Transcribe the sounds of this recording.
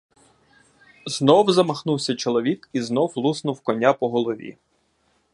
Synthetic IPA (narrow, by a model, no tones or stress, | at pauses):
znɔwzɐmɐxnuwsʲɐt͡ʃɔlˠɔʋʲikiznɔwlˠusnʊwkɔnʲapɔɦɔlˠɔʋʲḭ